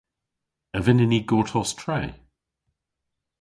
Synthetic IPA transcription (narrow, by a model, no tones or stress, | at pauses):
əvɪnɪniɡɔːtʰɔstʰɹɛː